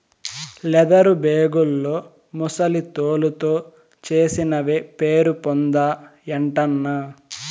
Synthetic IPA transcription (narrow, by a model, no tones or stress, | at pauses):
lɛd̪ɐɾubeːɡulːo̞ː | musɐlit̪oːlut̪o̞ː | t͡ʃe̞ːsinɐʋepeːɾupond̪aːeɳʈɐnːɐ